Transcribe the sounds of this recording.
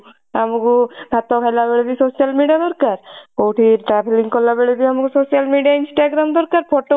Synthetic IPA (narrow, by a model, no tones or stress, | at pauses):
amukud̪ʱat̪ɔkʰajlabeɭed̪isosijalmiɖijad̪ɔɾkaɾkowʈiʈɾapʰeliŋɡkɔlːabeɭed̪iamukusosijalmiɖijainsʈaɡɾamd̪ɔɾkaɾpʰɔʈo